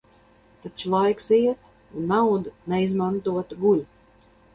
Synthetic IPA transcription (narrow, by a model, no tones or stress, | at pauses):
t̪at͡ʃulˠajksiɛt̪ | unːawd̪unɛizmant̪uɔt̪ɡulʲ